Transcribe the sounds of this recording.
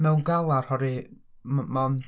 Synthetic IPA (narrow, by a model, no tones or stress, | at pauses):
mɛwnɡalˠarhɔɾi | mman